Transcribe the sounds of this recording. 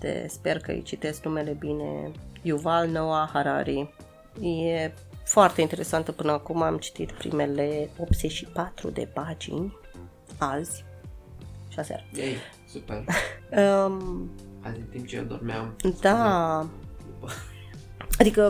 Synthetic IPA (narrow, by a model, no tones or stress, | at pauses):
t̪ḛspe̞rkə̰ɨ̰jt͡ʃit̪e̞sknume̞le̞bine̞̰juvalnowahaɾa̰ɾi | je | foart̪eint̪e̞ɾe̞sant̪əpɨnəakumamt͡ʃi̥t̪it̪pɾḭme̞le̞o̞p̚t̪z̥eʃipat̪ɾṵd̪e̞̰pad͡ʒḭnʲ | alz̥ʲ | ʃasa̰rej | superə | a̰zʲiɨnt̪imp̚t͡ʃḛd̪ormeamd̪a | ad̪ikə